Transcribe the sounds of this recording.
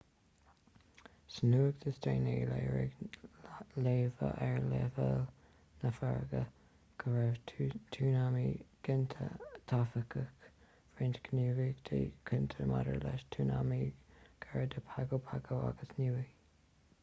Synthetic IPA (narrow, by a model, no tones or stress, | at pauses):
sənuːəɡd̪̥əsteːneːleːɹɪ̰ɡ | leːvə̰ʔɛɹleːvəl | nəfaɹɡə | ɡ̥əvɛvt̪ʰuːnamiɡ̥ɪnt̪ʰə̰t̪ʰafəkʰək | fɾintkənuːviɡd̪̥ḛːkʰɪnt̪ʰəma̰də̰ɹlɛʃt̪ʰuːnamiɡ̥aɹəd̪əpʰaɡopʰaɡoa̰ɡəsnuːvi